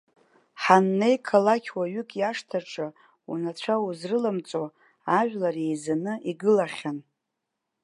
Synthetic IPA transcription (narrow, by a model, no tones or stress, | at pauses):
ħanːe̞jkʰalakʲʰwaɥʏkʼjaʂtʰaʈ͡ʂʼa | ṵnat͡ɕʷʰauzrɨlamt͡sʼo | aʒʷᶣlare̞jzanɨiɡɨlaχʲan